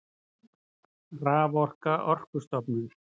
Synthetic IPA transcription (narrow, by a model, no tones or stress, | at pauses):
raːvɔr̥kaʔɔr̥kʏst̪ɔpnʏn